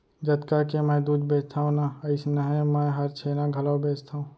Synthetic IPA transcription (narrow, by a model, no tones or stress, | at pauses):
d͡ʒət̪kakemɛd̪uːd͡ʒbeːt͡ʃt̪ʰaːõnaəɪsnəɦɛ̃mɛ̃ɦəɾt͡ʃʰeːnãɡʱɐlawbeːt͡ʃt̪ʰaːũː